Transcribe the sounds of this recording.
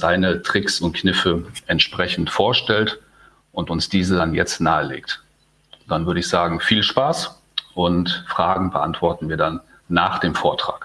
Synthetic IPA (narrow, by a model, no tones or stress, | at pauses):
zaɪnətʁ̥ɪksʊnt̚kʰnɪfəʔɛntʃpʁ̥ɛçn̩tfoːɐʃtɛlt | ʔʊntʊnsd̥iːzəanjɛt͡stnaːəlḛːkt | d̥anvʏɐɾəɪçz̥aːɡŋ̩fiːlʃpaːs | ʔʊntfʁ̥aːɡŋ̩bəʔa̰ntv̥ɔɐtn̩viːɐdanː | aːχd̥eːmfoːɐtʁ̥a̰ːk